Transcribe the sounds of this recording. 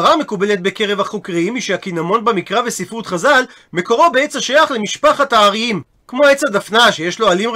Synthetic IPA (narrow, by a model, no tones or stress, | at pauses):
ʁame̞kubele̞t̚be̞keʁevhaχokʁiimiʃeakinamo̞nbemikʁavesifʁut̪χazal | me̞ko̞ʁobeet͡saʃajaχlemiʃpaχat̪aːʁiim | kmo̞et͡sadafnaʃejeʃloalim